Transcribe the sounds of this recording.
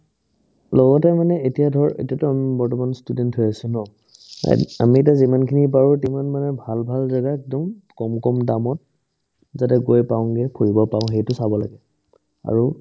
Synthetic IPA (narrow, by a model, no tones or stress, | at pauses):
lɔɡɔtɛmanɛetijadʱɔɹḛtiatʊamibɔɹtɔmanstudɛnthʊjasunɔ̰ | a̰mietazimankʰinipaɹutimanmanɛbʱalbʱalzaɡaktɔŋkɔmkɔmdamɔt̚ | zatɛɡojpaʊ̃ŋɡɛpʰuɹibɔpaʊ̃xejtʊsabɔla̰ɡɛ | a̰ɹu